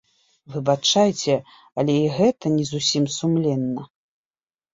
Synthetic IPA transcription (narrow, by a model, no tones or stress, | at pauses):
vɨbat͡ʂajt͡sʲɛ | ɐlʲɛiɣɛt̪ɐnʲɛzusʲimsumlʲɛnːɐ